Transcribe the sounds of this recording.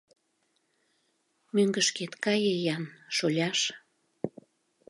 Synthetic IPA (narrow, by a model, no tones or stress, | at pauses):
møŋɡəʃket̪kɑjəjɑnʃolʲɑʃ